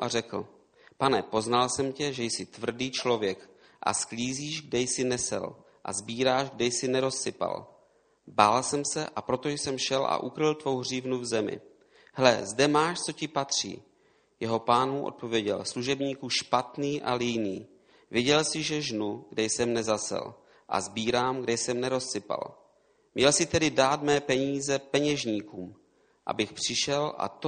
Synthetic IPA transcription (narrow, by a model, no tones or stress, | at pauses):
ʔarɛkl̩ | panɛpo̞znalsɛmcɛʒɛjsɪt̪vr̩diːt͡ʃlo̞vjɛk | ʔa̰skliːziːʒɡ̚dɛjsɪnɛsɛ̰l | ʔa̰zbiːɾaːʒɡdɛjsɪnɛɾo̞sːɪpa̰l | baːlsɛmsɛʔapɾo̞t̪o̞jsɛmʃɛlʔa̰ʔukɾɪlt̪vo̞wɦr̝iːvnuvzɛmɪ̰ | hlɛzdɛmaːʃt͡so̞cɪpat̪r̝̥ḭː | jɛɦo̞paːnmuʔo̰t̪̚po̞vjɛɟɛlsluʒɛbɲiːkuʃpat̪niːʔalɪjniː | vjɛɟɛlsɪʒɛʒnuɡdɛjsɛmnɛzasɛ̰l | ʔa̰zbiːɾaːmɡdɛjsɛmnɛɾo̞ssɪpa̰l | mɲɛlsɪt̪ɛdɪdaːt̪mɛːpɛɲiːzɛpɛɲɛʒɲiːkuːm | ʔa̰bɪxpr̝̥ɪʃɛlʔa̰t̪o